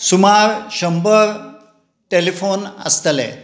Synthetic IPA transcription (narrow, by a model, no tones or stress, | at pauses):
sumaɾɕəmbəɾ | ʈelifonə̰st̪əlɛ̰